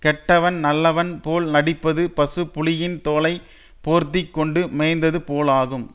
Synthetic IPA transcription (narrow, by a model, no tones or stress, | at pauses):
kɛʈːɐʋɐnnɐlːɐʋɐnpoːlnɐɽɪpːɐðɯpɐsɯpːʊlɪjɪnt̪oːlɐɪ | poːɾt̪ːɪkːɔɳɖɯmɛɪnd̪ɐðɯpoːlaːɣɯm